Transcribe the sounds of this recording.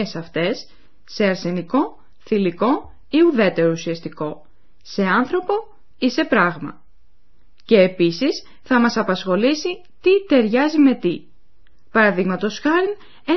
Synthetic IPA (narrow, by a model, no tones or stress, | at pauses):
esɐft̪e̞sː | e̞ɐɾse̞niko̞ | θiliko̞ | iuðe̞t̪e̞ɾousiɐst̪iko̞ | se̞ɐnθɾo̞po̞ | ise̞pɾɐɣmɐ̰ | ce̞ːpisis | θɐmɐsɐpɐsxo̞lisi | t̪it̪e̞ɾʝɐzime̞t̪i | pɐɾɐðiɣmɐt̪o̞sxɐɾin | e